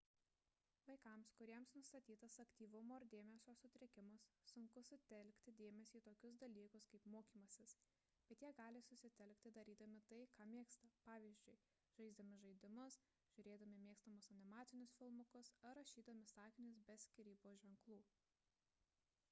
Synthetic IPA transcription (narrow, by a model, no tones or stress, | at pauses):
ʋɐɪkɐmskʊɾʲiɛmsnʊst̪ɐt̪ʲiːt̪ɐsɐkt̪ʲiːʋʊmoːɪɾd̪ʲeːmʲɛsʲoːsʊt̪ʲɾʲɪkʲɪmɐsːʊŋkʊsʊt̪ʲɛlʲkʲt̪ʲɪd̪ʲeːmʲɛsʲiːt̪oːkʲʊs̬d̪ɐlʲiːkʊskɐɪpmoːkʲiːmɐsʲɪs | b̥ʲɛt̪jiɛɡɑːlʲɪsʊsʲɪt̪ʲɛlʲkʲt̪ʲɪd̪ɐɾʲiːd̪ɐmʲɪt̪ɐɪkɑːmʲeːkst̪ɐpɑːʋʲiːzʲd͡ʒʲʊɪ | ʒ̥ɐɪzd̪ɐmʲɪʒɐɪd̪ʲɪmʊs | ʒ̥ʲʊɾʲeːd̪ɐmʲɪmʲeːkst̪ɐmʊsɐnʲɪmɑːt̪sʲɪnʲʊsfʲɪlˠmɐkʊsɐɾɐʃʲiːd̪ɐmʲɪsɑːkʲɪnʲʊsbʲɛsʲkʲɪɾʲiːboːʒʲʋʲɛŋklˠuː